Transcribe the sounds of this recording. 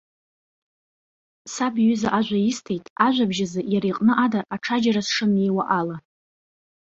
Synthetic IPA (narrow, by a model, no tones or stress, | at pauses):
sabɥʏzaʔaʒʷaistʰejtʼaʒʷabʒazɨjaɾejqʼnɨʔadaraʈ͡ʂʰad͡ʒaɾasʂɨme̞jwaʔala